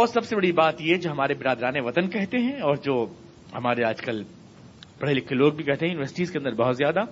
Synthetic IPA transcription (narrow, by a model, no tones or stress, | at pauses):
ɔːɾsɐbsebɐɽibaːt̪jed͡ʒoːɦɐmaːɾebɪɾaːd̪ɾaːneʋɐt̪ənkɛɦt̪eɦɛ̃ɔːɾd͡ʒoː | hɐmaːɾeaːd͡ʒkɐl | b̥ɐɽ̤elɪkʰːeloːɡ̚bʱikɛɦt̪eɦɛ̃jʊnɪʋəɾsɪ̥ʈiːzkeɐ̃nd̪əɾbɐɦʊt̪zjaːd̪a